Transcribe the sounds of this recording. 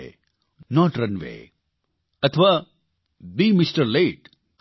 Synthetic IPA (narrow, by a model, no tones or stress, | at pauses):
nɔːʈɾɐ̃nʋḛː | ɐt̪ʰʋaː | biːmɪsʈəɾleːʈ